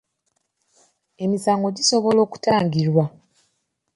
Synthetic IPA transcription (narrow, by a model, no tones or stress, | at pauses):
e̞misaːŋɡo̞ɟiso̞βo̞lo̞ːku̥taːɲɟiɾwa